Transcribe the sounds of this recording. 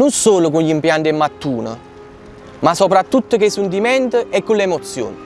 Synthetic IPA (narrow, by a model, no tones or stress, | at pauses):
nunsoːlʊkunʎimpjant̪ɛmːat̪ːuːnə̰ | masɔpɾat̪ːut̪ːəkesunt̪̬imɛnt̪əɛkːulːɛmɔt̪sːjo̰ːnə